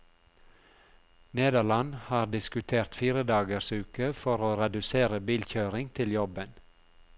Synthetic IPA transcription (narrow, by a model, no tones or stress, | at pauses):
neːd̪əlɑnhɑːɾd̪ɪskʉt̪ʰeːɾt̪fiːɾəd̪ɑːɡəɾsʉːkəfɔɾoːɾɛd̪ʉseːɾəbiːlçøːɾɪŋt̪ʰɪljɔbən